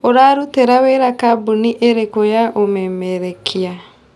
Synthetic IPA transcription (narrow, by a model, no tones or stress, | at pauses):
oɾaːɾuteɾaweɾakabuniʔeɾekojaʔomɛmɛɾɛkʰia